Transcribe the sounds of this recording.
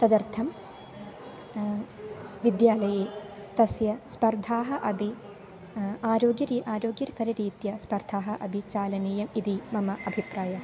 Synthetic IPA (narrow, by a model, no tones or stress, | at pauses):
t̪ɐd̪ɐɾt̪ʰɐm | ʋid̪jaːlɐjeːt̪ɐsjɐspɐɾd̪ʱaːɦɐ̆ʔɐbʱi | aːɾoːɡjɐɾiːʔaːɾoːɡjɐɾɐkɐɾɐɾiːt̪jɐspɐɾd̪ʱaːɦɐʔɐbʱit͡ʃaːlɐneːjɐmid̪imɐmɐʔɐbʱipɾaːjɐ